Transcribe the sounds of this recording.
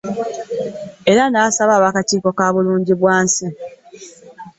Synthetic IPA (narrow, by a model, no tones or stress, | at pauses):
e̞ɾanaːsaβaːβakatiːko̞kaːβuluːɲɟiβwaːnsi